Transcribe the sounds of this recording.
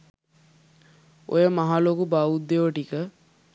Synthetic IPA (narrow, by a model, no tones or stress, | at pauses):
o̰jəmaɦalokubaud̪ːeʋoʈikə